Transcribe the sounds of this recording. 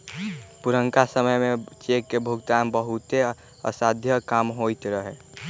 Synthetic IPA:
puɾəŋkasəməjmet͡ʃekːebʱuɡt̪ambəɦut̪e | ə̰sad̪ʱjəkamɦojt̪ɾəɦe

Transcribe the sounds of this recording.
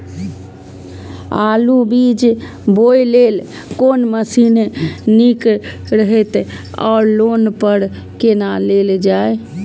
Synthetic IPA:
alubid͡ʒ | bojlel | konməsinnik | ɾəɦɛt̪ | ɔ̰ːɾlonpəɾ | kenaleld͡ʒae

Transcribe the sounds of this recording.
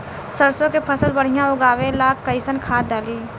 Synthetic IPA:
səɾsõkepʰəsəlbɐɽ̤ɪjãʊɡaːʋẽlaːkːəɪsənkʰaːt̪̚daːliː

